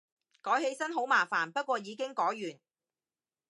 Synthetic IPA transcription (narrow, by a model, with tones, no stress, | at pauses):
kɔː˨˥jhe˧jsɐ˥nɦo˨˥wmaː˨˩faː˨˩npɐ˥t̚kʷɔː˧jiː˨˧kɪ˥ŋkɔː˨˥jːyː˨˩n